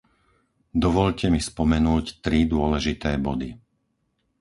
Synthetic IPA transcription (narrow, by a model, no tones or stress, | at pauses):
d̪ɔʋɔʎcɛmispɔmɛnuːct̪ɾid̪ʊɔlɛʒit̪ɛːbɔd̪i